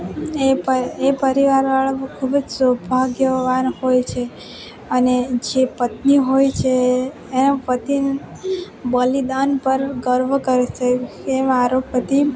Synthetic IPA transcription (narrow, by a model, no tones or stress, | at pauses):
epəepəɾiʋaɾʋaɭakʰubəd͡ʒsəbʱaɡjəʋanhojt͡ʃʰe | əned͡ʒepət̪niɦojt͡ʃʰeː | napət̪in | bəlid̪anpəɾɡəɾʋəkəɾese | emaɾopət̪i